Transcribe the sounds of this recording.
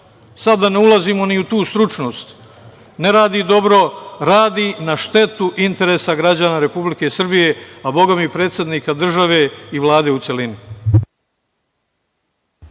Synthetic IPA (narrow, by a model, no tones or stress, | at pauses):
sad̪ːane̞ulˠaziːmo̞niut̪uːst̪ɾut͡ʃno̞ːst̪ | ne̞ɾaːd̪iːd̪o̞bɾo̞ɾaːd̪inaʃt̪e̞t̪uʔint̪e̞ɾesaɡɾad͡ʑaːnaɾe̞publike̞sr̩bije̞abo̞ɡamipɾeːt̪sed̪niːkad̪r̩ʒaʋe̞iʋlˠaːd̪e̞ut̪se̞lini